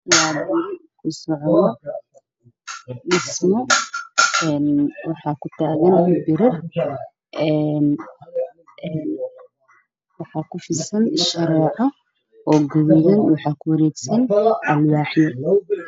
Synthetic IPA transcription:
wwaːbʊkʰʊsɔʕðɔ | ɗɪsmɔ | ɛnwɑħɑːkʰʊt̪ʰaːɣɐnɐbɪɾɪr | ʔɛːn | ʔɛːn | wɑħɑːkʰʊfɪsɐnʃɐɾɛːʕɑ | ʔɔːɡɐβɛðɐnwɑħɑːkʰʊwɐɾɛɡsɐnʔɐlwaːħjɔ

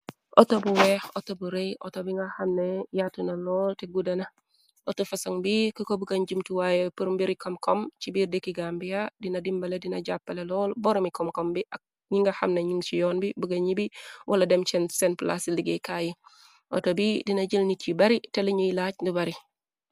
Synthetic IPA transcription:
ʔɔtobuwɛxɔtobuɾejʔɔ̰tobiŋɡɐxɐmnejatunɐlɔːlteɡudɐnɐ | ʔotofɐsɐŋbikəkobuɡɐɲɟumtuwajɛpuɾumbiɾikɐmkɔmt͡ʃibiːrdekiɡambijadinɐdimbɐledinɐɟapːɐlelɔːlbɔɾɔmikɔmkɔmbiʔɐk̚ | ɲiŋɡɐxɐ̰mneɲiŋt͡ʃijɔːnbibuɡɐɲibiwʔɐlɐdɛmt͡ʃɛnsɛnpla̰sliɡekaːji | ʔɔ̰tobidinɐɟilnit͡ʃibɐɾitɛliɲujlaːcndubɐɾi

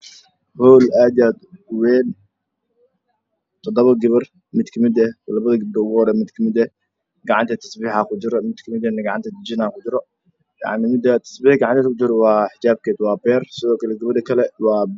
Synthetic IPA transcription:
hɔːlaːd̪ijaːd̪ʊwɛːn | t̪ʰɔd̪ɔβɐɡɪβɐr | mɪd̪kʰɐmɪd̪ɛlɐβɐðɐɡɪbdɔʊɣʊhɔɾɛːmɪd̪kʰɐmɪd̪ɛ | ɡɑʕɑnt̪ʰɐt̪ʰɐsbiːħakʰʊd͡ʒɪɾɔmɪd̪kʰɐmɪd̪ɛnɡɑʕɑnt̪ʰɐd̪d͡ʒɪnakʰʊd͡ʒɪɾɔ | jɑ̰ʕnɪmɪd̪ɐt̪ʰɐ̥sbiːɡɑʕɑnt̪ɛːkʊt͡ʃɪɾɔwɑːħɪd͡ʒaːb̚kʰɛːd̪wɑːbɛːrsɪðɔːkʰɐlɛɡɐβɐdɐkʰɐlɛwɑː

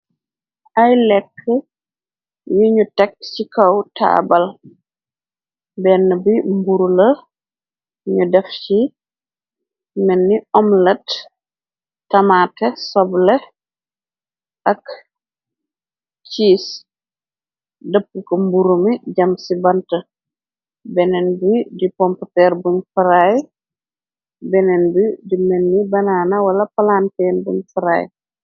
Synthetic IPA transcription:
ʔajlɛkːə | jiɲutɛk̚t͡ʃikawta̰bal | bɛnːəbimbuɾulə | ɲudɛft͡ʃi | mɛnːiʔɔmlɐt | amatɛsɔblɛ | ʔɐk | t͡ʃiːs | dəpːukombuɾumiɟɐmsibɐntɐ | bɛnɛnbudipɔmptɛːɾbuɲfɐɾaj | bɛnɛnbudimɛnːibɐnaːnawɐlɐpalantɛnbuɲfaɾa̰ːj

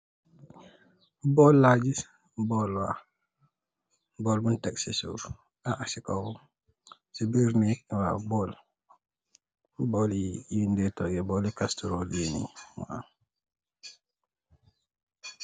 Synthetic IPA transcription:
bɔlːad͡ʒis | bɔlwa | bɔlbuntɛksisṵ | aʔasikawu | sibiɾniwa̰bɔl | bɔlindɛtɔɡɛbɔlikastuɾoljenḭma̰a̰

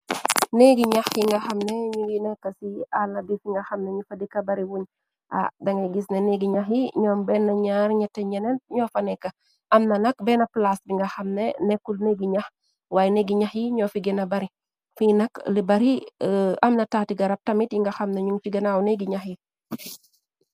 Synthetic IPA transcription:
neɡiɲaxjiŋɡɐxɐmneɲuɡinɛkːɐsialnɐdifiŋɡɐxɐmneɲufɐdikɐbɐɾiwuɲ | ʔa̰dɐŋeɡisneneɡiɲaxjiɲɔːmbɛnːɐɲaːɾɲɛtɛɲɛnentɲɔːfɐnɛkɐ | ʔɐmnɐnɐk̚bɛnɐplasbiŋɡɐxɐmnenɛkulneɡiɲɐx | waːjɛneɡiɲaxjiɲɔfiɡɛnɐbɐɾi | finɐklibɐɾiɐmnɐtatiɡɐɾɐp̚tɐmitjiŋɡɐxɐmneɲuŋfiɡɛnawneɡiɲaxji

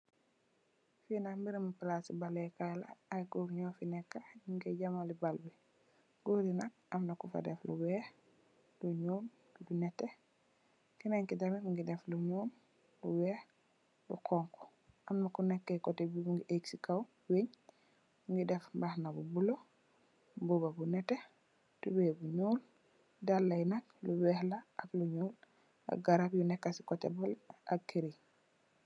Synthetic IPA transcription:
finambiɾamupalasibalɛkala̰ːjɡoɾɲɔfinɛkːauŋɡɛɟamalibalbi | ɡ̥oɾinak̚ʔamnakufa̰dɛfluwɛːh | luɲoːn | dunɛtːɛ | kinaŋkidamifuŋɡidɛfluɲoːn | luwɛ | dukʰɔŋkɔ̥ | ʔamnakunɛkːɛkɔtebibuŋɡiʔeksikaw | weɲ | uŋɡidɛfbahnabubulo | bubabunɛtːe | tubɛbuɲoːl | dalːajnak̚luwɛhlaʔakluɲoːl | a̰ɡaɾapjunɛkːasi̥kɔtɛ̰bɔlʔakːiɾi

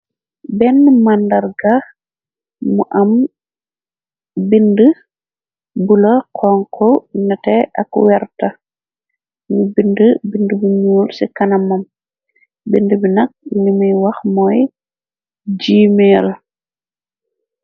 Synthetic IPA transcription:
bɛnːmandɐɾɡax | muʔɐm | bində | bulɐkʰɔŋkʰɔɲɐtɛʔɐkwɛɾtɐ | mubindəbindəbiɲuːlsikɐnɐmɐm | bindəbinɐk̚limijwɐxmɔj | d͡ʒiːmɛl

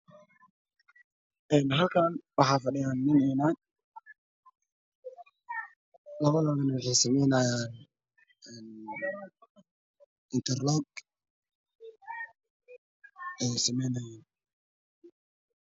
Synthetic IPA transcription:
enɦakanbaɦafaɗajanːinena | laɡalaɡanafesemenajan | n | inteɾloɡ̚ | esimenajan

